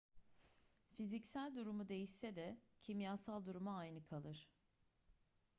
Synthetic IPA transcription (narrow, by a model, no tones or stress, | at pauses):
fizicsælʲd̪uɾumud̪e̞jiʃsɛd̪ɛcʰimjaːsalˠd̪uɾumaːjnɯkʰalˠɯɾ̥